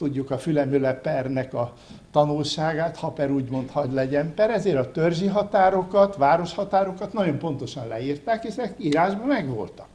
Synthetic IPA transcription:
t̪uɟːukɒfylɛmølɛpɛrnɛkɒ | t̪ɒnulʃaːɡaːt̪hɒpɛɾuːɟmo̞nt̪hɒɟlɛɟɛmpɛɾɛzeːɾɒt̪ørʒiɦɒt̪aːɾo̞kɒt̪ʋaːɾo̞ʃhɒt̪aːɾo̞kɒt̪nɒɟo̞mpo̞nt̪o̞ʃɒnlɛ̰iːrt̪aːkɛʃɛkiːɾaːʒbɒmɛɡʋo̞̰lt̪ɒ̥k

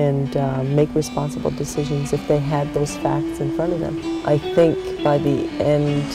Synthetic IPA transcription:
ɨ̃nmeɪkɹɨspɑ̃nsəbl̩ˠdɨsɪʒɨ̃nzɨfðeɪɨd̪̚ðoʊz̥fæ̰k̚tsɨ̃nfɹʌ̃ɾ̃ʌvðɨ̰̃mʔaɪθɪ̃ŋkb̥aɪðiɛ̃nd̥

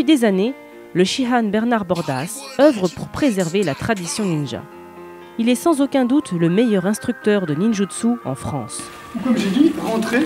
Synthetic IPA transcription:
pɥid̪ezane | ləʃiɦanbɛʁnaʁbɔʁd̪asœvʁəpuʁpχezɛʁvelat̪χad̪isjɔ̃ninʒa̰ | ilɛsɑ̃zokʲɛ̃d̪ut̪ləmejœʁɛ̃st̪χyk̚t̪œʁd̪əninʒud̪suɑ̰̃fχɑ̰̃s | kwaiʁɑ̃t̪χe

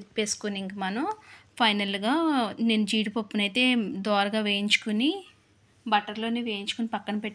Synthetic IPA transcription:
peːsu̥kuniŋkɐmɐnɐmpʰɐjnɐlɡaːneːnːud͡ʒiːɽipɐpːunɐjt̪e̞ːd̪ɔːɾɐɡaːʋe̞ːjiɲt͡ʃu̥kuni | bɐʈːɐɾlo̞ːniːʋe̞ːjiɲt͡ʃu̥kunipɐkːɐnɐpeʈː

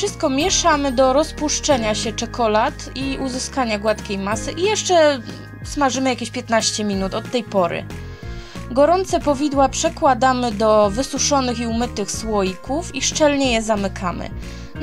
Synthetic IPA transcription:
fʂɘst̪̚kɔmʲjɛʂamɘd̪ɔɾɔspuʂt͡ʂɛɲaɕɛt͡ʂɛkʰɔlat̪iuzɘskaɲaɡwat̪kʲejmasɘʔijɛʂt͡ʂɛ | smaʐɘmɘjakʲeɕpʲjɛt̪naɕt͡ɕɛmʲinut̪ɔt̪ːɛjpɔɾɘ̰ | ɡɔɾɔnt̪sɛpɔvʲid̪wapʂɛkwad̪amɘd̪ɔvɘsuʂɔnɘxiumɘt̪ɘxswɔjikufiʂt͡ʂɛlɲɛjɛzamɘkʰamɘ̰

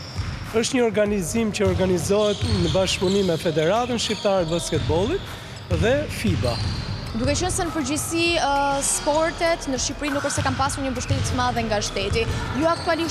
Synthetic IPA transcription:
əʃt̪ɲəɔɾɡanizimcəɔɾɡanizɔɦɛt̪nəbaʃpunimɛfɛd̪ɛɾat̪ənʃcip̚t̪aɾɛt̪̚baskɛt̪̚bɔlˠit̪̚ | ðɛfiba̰ | d̪ukɛt͡ɕənsɛnəpəɾd͡ʑisispɔɾt̪ɛt̪nəʃipɾinukəɾsɛkampasuɾɲəmbəʃt̪ɛt̪smaðɛŋɡaʃt̪ɛt̪ijuak̚t̪uali

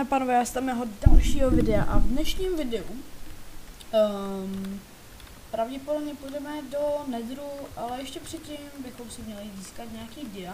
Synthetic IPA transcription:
apaːnovɛːjaːst̪amjɛɦodalʃiːɦovɪdɛa̰ʔavdnɛʃɲiːmvɪdɛu | m | pɾavɟɛpodobɲɛpujdɛmɛdo̞nɛdɾuʔalɛjɛʃcɛpr̥ɪcimbɪxo̞msɪmɲɛlɪziːskat̪ɲaakiːɟɪa

